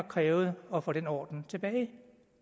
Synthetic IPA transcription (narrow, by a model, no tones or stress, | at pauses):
kʰʁɛːʊð̩ˠɒ̽fɔ̽ɾ̥enɒ̰ːd̥n̩t͡sʰe̝b̥ɛːɪ